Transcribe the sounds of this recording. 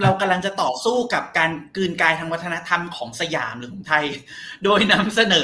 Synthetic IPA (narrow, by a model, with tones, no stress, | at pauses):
ɾa˧wka˧mla˧ŋt͡ɕa˨˩ʔt̪ɔː˨˩suː˥˩ka˨˩p̚kaː˧nkɯː˧nkaː˧jt̪ʰa˧ŋwa˦˥t̪ʰːa˧na˦˥t̪ʰa˧mkʰɔː˩˦ŋsa˧ja̰ː˩˦mɾɯː˨˦kʰɔː˩˦ŋt̪ʰa˧j | doː˧jna˦˥msa˧nɤː˩˦